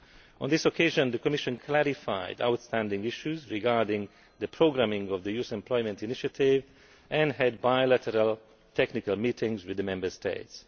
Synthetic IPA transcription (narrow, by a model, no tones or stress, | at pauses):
ʔɔ̃nd̪isɔkʰeɪʒə̃nd̪əkɔmiʃə̃nkʰlæɾifa̰ɪda̰wtstæ̃ndɪ̃ŋɡɪʃjuzɹiɡaɹdɪ̃ŋ | d̪əpʰɹoɡɾæ̃mɪ̃ŋɔvd̪əjusɛ̃mplɔjmɛ̃ntiniʃatʰɪv | ʔɛ̃nɦɛd̚bajlætʰəɾal | tʰɛknɪkalmiːtʰɪ̃ŋɡzwɪd̪əmɛ̃mbə˞stʰḛɪts